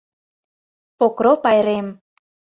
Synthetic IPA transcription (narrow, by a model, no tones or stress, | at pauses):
pokɾopɑjɾem